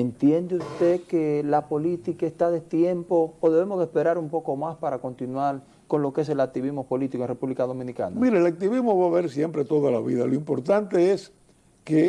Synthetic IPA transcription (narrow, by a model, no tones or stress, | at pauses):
ent̪je̞nd̪eust̪e̞kelapo̞lit̪ikaest̪aðet̪je̞mpo̞ːðe̞βe̞mozðespe̞ɾaɾumpo̞ko̞maspaɾako̞nt̪inwaɾ | ko̞nlo̞kee̞s̬e̞lak̚t̪iβizmopo̞lit̪ikonrepuβlikaðo̞mĩnika̰namiɾeːlak̚t̪iβizmoβaβeɾsje̞mpɾe̞t̪o̞ðala̰βḭðaloimpoɾt̪ant̪ees | ke